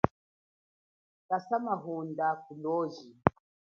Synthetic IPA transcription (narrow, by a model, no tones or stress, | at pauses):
kasamaɦundakulɔʒi